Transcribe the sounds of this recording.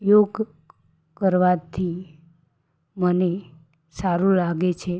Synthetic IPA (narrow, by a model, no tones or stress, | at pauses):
joɡ | kəɾʋat̪ʰi | məne | saɾũlaɡet͡ʃʰe